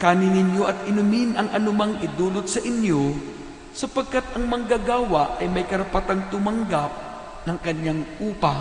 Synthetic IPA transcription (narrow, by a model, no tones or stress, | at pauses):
kaːnɪnɪnjo̞ʔɐt̪ɪnʊminʔɐŋʔɐnʊmaŋʔɪd̪uːlot̪̚sɐʔɪnjo̞ | sɐpɐɡ̚kat̪̚ʔɐŋmɐŋɡaɡaːwɐʔɐjmɐjkɐɾɐpɐt̪aŋt̪ʊmɐŋɡap̚ | nɐŋkɐɲjaŋʔuːpɐ